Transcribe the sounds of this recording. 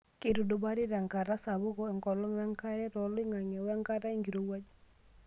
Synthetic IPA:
kɪ˦ɾu˨do˦ba˦ɾɪ˦ɾa˨ŋka˨ɾa˦sa˨βʊ˦ɣɔ˦ɛ˨ŋɡɔ˨lɔ˦ŋwɛ˦ŋka˦ɾɛ˦ɾɔ˨lɪ˦ŋa˨ŋɛ˨wɛ˦ŋka˦ɾa˦i˦ŋɡi˨ɾo˨wa˦d͡ʒ

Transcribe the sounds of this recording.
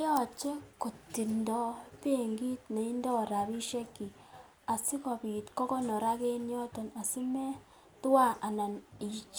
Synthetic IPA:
jɔ˦t͡ʃe˦ku˨tːi˨ndɔ˦pe˦ŋɡi˦tne˨i˦ndɔ˦˨ɾa˨bi˦ʃɛ˦kːi˨ | a˨si˦kɔ˨pi˨tkɔ˦kɔ˦nɔ˨ɾa˦ke˦njɔ˦tɔ˨na˨si˦mɛ˦ | tu˦wa˦˨ʔa˨na˨ni˨t͡ʃ

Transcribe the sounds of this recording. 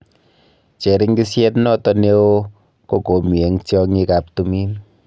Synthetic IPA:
t͡ʃe˨ɾi˦ŋɡi˦sjɛ˦tnɔ˦tɔ˦ne˦o˦ | ko˨ko˨˦mi˨e˨ŋtjɔ˦ŋi˦ka˨p̚tu˦mi˦n

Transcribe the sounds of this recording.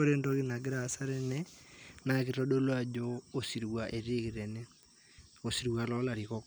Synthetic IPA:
o˦ɾe˦ndo˦kɪ˦na˨ɡɪ˦ɾa˨sa˦ɾɛ˦nɛ˦na˨kɪ˨ɾɔ˦ɗo˦lwa˦˨d͡ʒoː˦˨si˨ɾwa˨ʔe˨ɾe˦kɪ˨ɾɛ˨nɛ˦ | o˨si˨ɾwa˨lɔ˦la˨ɾi˨kɔ˦k

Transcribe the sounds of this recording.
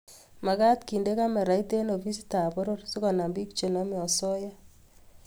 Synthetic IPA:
ma˨ka˦tki˨nde˦ka˦mɛ˨ɾa˨i˦te˦no˨bi˦si̥˦ta˨bɔ˦ɾo˦rsi˦kɔ˨na˨mbi˦k̚t͡ʃe˨nɔ˦mɪ˦ɔ˨sɔ˦ja˦

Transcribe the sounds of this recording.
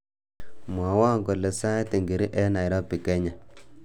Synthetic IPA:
mwa˨wa˦˨ŋɡo˨le˨sa˦te˨ŋɡi˨ɾi˦ʔɛ˦na˨jɾɔ˦pi˨ke˦ɲa˨

